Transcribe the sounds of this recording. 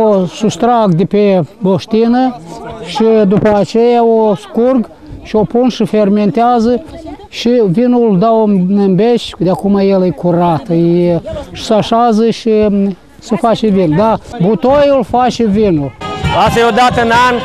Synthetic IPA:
osust̪ɾaɡd̪epeboʃt̪inəʃid̪upəat͡ʃejaoskurɡ | ʃiopunʃiferment̪eazə | ʃivinuld̪aonɨmbet͡ʃʲd̪eakumajelekuɾat̪jeʃi̥saʃazəʃi | səfat͡ʃevinud̪abut̪ojulfat͡ʃevinulasajod̪at̪ənan

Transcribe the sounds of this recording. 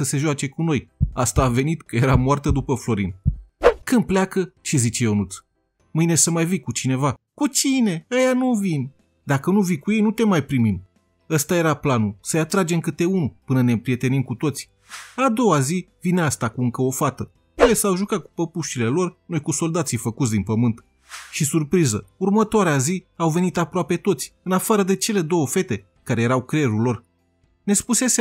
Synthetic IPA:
səse̞ʒwat͡ʃe̞kuno̞jast̪aːve̞nit̪kəje̞ɾamoart̪əd̪upəflo̞ɾinkɨn̚plakət͡ʃizit͡ʃe̞o̞nut̪s | mɨjne̞səmajvikut͡ʃine̞va | kut͡ʃine̞əjanuvinʲ | d̪akənuvikuje̞jnut̪e̞majpɾimim | əst̪aje̞ɾaplanusəjat̪ɾad͡ʒe̞mkɨt̪e̞unupɨnəne̞mpɾije̞t̪e̞nimkut̪o̞t̪sʲ | ad̪o̞wazivineast̪akuɨŋkəo̞fat̪ə | puesawʒukat̪̚ku̥pəpuʃile̞lo̞rno̞jkuso̞ld̪at̪sijfəkut̪s̬ʲd̪inpəmɨnt̪ | ʃisurpɾizəurmət̪oaɾeaziawve̞nit̪apɾoape̞t̪o̞t̪sʲɨnafaɾəd̪e̞t͡ʃe̞le̞d̪o̞wəfe̞t̪e̞ | kaɾe̞jeɾawkɾeɾulo̞r | ne̞spuse̞s

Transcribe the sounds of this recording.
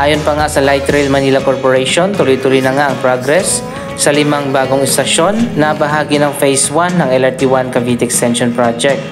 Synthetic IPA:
ʔaːjonpɐŋasɐlajt̪ɾɛlmɐnilɐkoɹpoɹɛjʃont̪ʊlojt̪ʊlʊjnɐŋaʔɐŋpɾoɡɾɛsː | ɐlɪmaŋbaːɡoŋɪst̪ɐʃo̞nːɐbɐɦaːɡɪnɐŋfejswanːɐŋɛlɛɹt̪iwankɐvit̪ɪkst̪ɛnʃonpɹad͡ʒɛk̚t̪

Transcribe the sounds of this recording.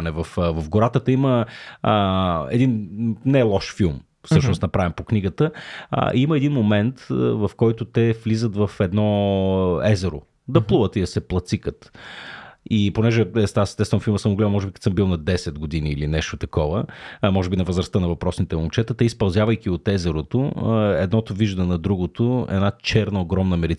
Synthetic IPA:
nɛvɐfvɐfɡʊɾat̪ət̪əiməəɛ̰d̪innɛlˠɔʃfilˠm | fsɤʃnʊst̪nɐpɾavimpokniɡət̪ə̰ʔiimɐɛd̪inmomɛnt̪vɐfkɔjt̪ʊt̪ɛflizət̪vɐfɛd̪nɔ | ɛzɛɾʊ̰ | d̪ɐplˠuvət̪id̪ɐsɛplˠɐt̪sikət̪ | iponɛʒɛɛsasst̪ɛtsvɐmfilˠməsəmoɡlɛmɔʒɛbikɐt̪səmbilˠnɐd̪ɛsɛt̪̚ɡod̪iniːlinɛʃt̪ot̪ɐkɔvəmɔʒɛbinɐvəzɾɐst̪ənɐvɐpɾɔsnit̪ɛont͡ʃɛt̪ət̪ɛispɐlˠzjavəjk̟ʲiot̪ɛzɛɾot̪oɛd̪nɔt̪oviʒd̪ɐnɐd̪ɾuɡot̪oɛ̰nat͡ʃɛɾnɐoɡɾɔmnəmɛɾit

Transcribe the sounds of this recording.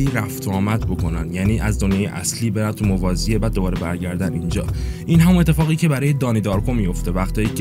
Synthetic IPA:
iːɾæft̪ʰɒːmæd̪bo̞kʰo̞nænjæːniːʔæzd̪o̞njɒːjeʔæ̰sliːbeɾæmt̪ʰumovɒːziebæd̪̚ːo̞bɒːɾebæɾɟæɾd̪ænind͡ʒɒ̰ːʔinɦæmune̞t̪ʰːe̞fɒːɣiːcʰe̞bæɾɒːjed̪ɒːnid̪ɒːɾkʰomijo̞ft̪e̞væxt̪ʰɒːjiːcʰ

